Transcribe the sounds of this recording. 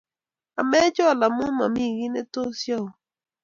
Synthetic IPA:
a˨mɛ˦d͡ʒɔ˦˨la˨mʊ˦ma˨mi˦˨ɡi˦nɛ˦to˦sjɔ˦˨

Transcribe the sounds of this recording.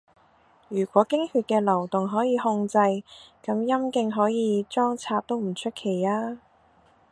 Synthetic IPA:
jyː˨˩kʷɔː˨˥kɪ˥ŋhyː˧t̚kɛː˧lɐ˨˩wt̪ʊ˨ŋɦɔː˨˥jiː˨˧hʊ˧ŋt͡sɐ˧jkɐ˨˥mjɐ˥mkɪ˧ŋɦɔː˨˥jiː˨˧t͡ʃɔː˥ŋt͡sʰaː˧p̚t̪o˥wm̩˨˩t͡ʃʰɵ˥t̚kʰe˨˩jaː˥

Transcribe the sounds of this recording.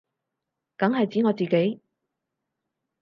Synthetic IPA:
kɐ˨˥ŋɦɐ˨jt͡siː˨˥ŋɔː˨˧t͡siː˨ke˨˥j

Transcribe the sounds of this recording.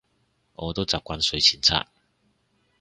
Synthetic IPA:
ʔɔː˨˧t̪o˥wt͡saː˨p̚kʷa˥nsɵ˨˧ɥt͡sʰiː˨˩nt͡sʰa̰ː˧˥k̚

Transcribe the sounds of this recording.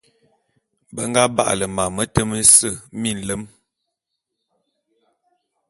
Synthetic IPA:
bə˦ŋ̩˦ɡa˦ba̰˦ʔlə˨ma˨mə˦tə˦mə˦sə˦˨mi˦˨n̩˨lə˦m

